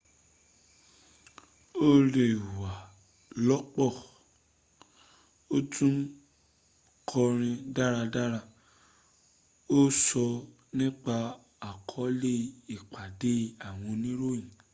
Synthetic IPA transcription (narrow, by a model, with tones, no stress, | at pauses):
o˦le˦˨wa˨ | lɔ˦k͡pɔ˦˨ | o˦tũ˦ | kʰɔ˧ɾ̃ĩ˧da˦ɾa˧da˦ɾa˧ | o˦sɔ˧ | nĩ˦k͡pa˧ | a˨kʰɔ˨˦le˦˨i˨k͡pa˨de˨˦a˦˨w̃ɔ̃˧nĩ˦ɾo˦˨jĩ˨